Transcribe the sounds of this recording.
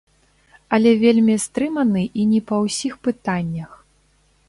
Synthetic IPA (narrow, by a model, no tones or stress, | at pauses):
ɐlʲɛvʲelʲmʲist̪ɾɨmɐnɨʔinʲɛpɐwsʲixpɨt̪anʲːɐx